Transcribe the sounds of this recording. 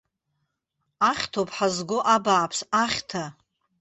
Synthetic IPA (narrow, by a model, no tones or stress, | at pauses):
aχʲtʰopʰʼħazɡʷoʔabaːpʰsaχʲtʰa